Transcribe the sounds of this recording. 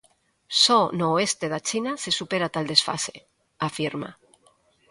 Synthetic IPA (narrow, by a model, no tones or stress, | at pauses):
sonoe̞st̪eðat͡ʃinase̞supe̞ɾat̪ald̪e̞sfa̰sḛ | afiɾma̰